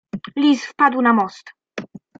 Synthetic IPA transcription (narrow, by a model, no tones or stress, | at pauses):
lʲisfpad̪wnamɔst̪